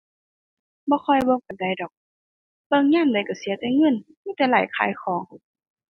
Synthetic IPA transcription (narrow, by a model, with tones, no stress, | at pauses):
bɔː˧˦xʰɔ˧˩jbɔː˧˥˨ka˨˩da˨˩˨jdɔː˨˩k̚ | pɤ˧˨ŋɲaː˧˥˨mda˨˩jka˨˩si˨˦ɐt̪ɛ˧˦ŋɤ˧˥˨n | miː˧˨t̪ɛː˧˦laː˨˩jkʰa̰ː˨˦jxʰɔː˨˦ŋ